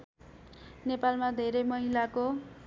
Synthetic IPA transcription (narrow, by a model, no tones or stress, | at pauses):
nepalmad̪ʱeɾʌjmʌɦilako